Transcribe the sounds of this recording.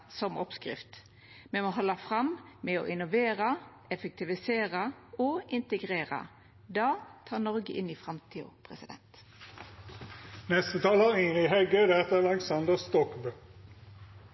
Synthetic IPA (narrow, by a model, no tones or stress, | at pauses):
sɔmɔpskʁɪ̰ft̪ | mɛmoɦɔlːɑfʁɑmmɛo̰ʔɪnʊʋeːʁɑ | ɛfɛk̚t̪ʰɪʋɪseːʁɑoʔɪnt̪əɡʁeːʁɑ̰ | d̪ɑːt̪ʰɑːnɔʁɡəʔɪniːfʁɑmt̪ʰiːʊ̰pʰʁɛsɪd̪ɛ̰nt̪ | nɛst̪ət̪ʰɑːləʁɪːniɦɛɡød̪ɛt̪əʁɑlɛksɑnd̪əst̪ɔkbø